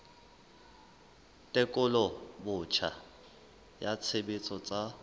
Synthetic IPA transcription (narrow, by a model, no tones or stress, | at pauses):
tʼɪkʼʊlɔbʊt͡ʃʰa | jat͡sʰebɪt͡sʼɔt͡sʼa